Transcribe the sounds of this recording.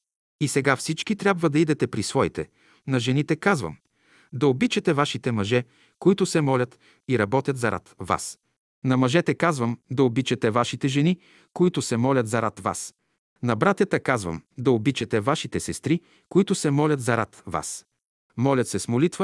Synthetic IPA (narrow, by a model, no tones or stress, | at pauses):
isɛɡafsit͡ʃkit̪ɾʲjabvəd̪ɐid̪ɛt̪ɛpɾisvɔit̪ɛ | nɐʒɛnit̪ɛkazvə̰m | d̪ɐobit͡ʃɛt̪ɛvaʃit̪ɛmɐʒɛ | koit̪ʊsɛmɔlʲət̪ | iɾɐbɔt̪ʲjət̪zɐɾʔa̰t̪va̰s | nɐmɐʒɛt̪ɛkazvəmd̪ɐobit͡ʃɛt̪ɛvaʃit̪ɛʒɛni | koit̪ʊsɛmɔlʲɐt̪zɐɾat̪va̰s | nɐbɾat̪ʲjət̪əkazvə̰md̪ɐobit͡ʃɛt̪ɛvaʃit̪ɛsɛst̪ɾi | koit̪ʊsɛmɔlʲɐt̪zɐɾat̪va̰s | mɔlʲɐt̪sɛsmolit̪və